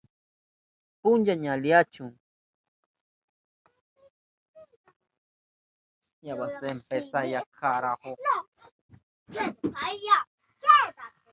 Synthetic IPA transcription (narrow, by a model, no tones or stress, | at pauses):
pʊnd͡ʒaɲaliat͡ʃʊŋ | jawasempesajakʰaɾaho | aja